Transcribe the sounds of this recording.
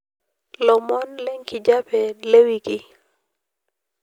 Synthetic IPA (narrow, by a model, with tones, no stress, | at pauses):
lɔ˨mɔ˦nlɛ˦ŋki˨d͡ʒa˦pɛ˨le˦wi˦ki˦